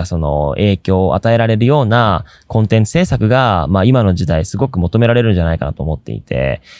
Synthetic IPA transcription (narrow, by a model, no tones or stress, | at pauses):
aso̞no̞̰e̞ːkʲo̞ːʔa̰t̪ae̞ɾaɾe̞ɾɯ̟jo̞ːna | kõ̞nt̪ẽ̞nt͡sɨ̥se̞ːsakɯ̟ɡamaimano̞ʑid̪aisɨɡo̞kɯ̟mo̞t̪o̞me̞ɾaɾe̞ɾɯ̟̃ɲ̟d͡ʑanaikanat̪oːmo̞t̪ːe̞̰ḭt̪ʰe̞̰